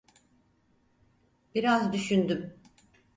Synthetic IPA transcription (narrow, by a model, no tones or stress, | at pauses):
b̥iɾazd̪yʃynd̪ym